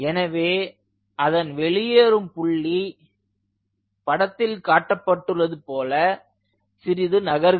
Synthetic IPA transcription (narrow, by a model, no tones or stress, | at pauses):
ɛnɐʋeː | ɐðɐnʋɛɭɪjeɾɯmpʊɭːi | pɐɽɐt̪ːɪlkaːʈːɐpːɐʈːɯrːɐðɯpoːlɐ | sɪɾɪðɯnɐɣɐɾɣ